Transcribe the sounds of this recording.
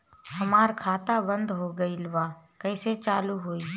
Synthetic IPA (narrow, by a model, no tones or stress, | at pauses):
ɦəmaːɾkʰaːt̪abə̃nd̪ɦoːɡəiːlʋaːkəɪset͡ʃaːluɦoːiː